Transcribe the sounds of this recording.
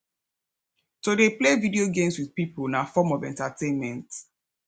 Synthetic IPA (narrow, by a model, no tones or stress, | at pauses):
todeplevidioɡẽmswiðpiponafɔmɔvɛ̰̃ntatẽnmɛ̃nt